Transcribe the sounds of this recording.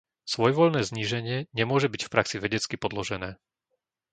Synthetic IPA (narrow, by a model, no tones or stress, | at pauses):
sʋɔjɛʋɔʎnɛːzɲiːʒɛɲɪɛɲɛmʊɔʒɛbicfpɾaksiʋɛɟɛt͡skipɔd̪lɔʒɛnɛː